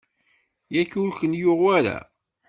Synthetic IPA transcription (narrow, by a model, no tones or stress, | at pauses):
jæçulkənjʊʁwæɾæ̰